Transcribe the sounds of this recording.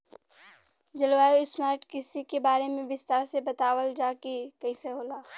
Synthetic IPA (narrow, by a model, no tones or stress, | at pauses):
d͡ʒɐlwaːjoɪsmaːɾʈkɪsikebaːɾemẽbɪst̪aːɾsebɐt̪aːwəld͡ʒaːkekɐĩseɦoːlaː